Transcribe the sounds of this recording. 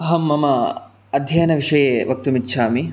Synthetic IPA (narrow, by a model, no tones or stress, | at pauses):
ɐɦɐmːɐmɐ | ɐd̪ʱjɐjnɐʋiʂɐjeːʋɐk̚t̪umitːʃʰaːmi